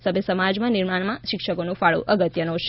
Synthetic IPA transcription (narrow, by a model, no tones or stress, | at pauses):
səbʱjəsəmad͡ʒmãniɾmaɳ̃mãʃɪkʃəkonũfaɭṵ̃ʔəɡət̪jənoʃ